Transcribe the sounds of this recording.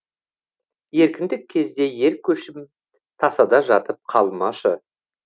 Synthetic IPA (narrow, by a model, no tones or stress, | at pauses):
je̞ɾkʲɪnd̪ɪkʲʰːe̞zd̪e̞je̞ɾkʲʰːɵʃɪm | t̪ʰɑsɑd̪ɑʒɑt̪əp̚qʰɑlˠmɑʃə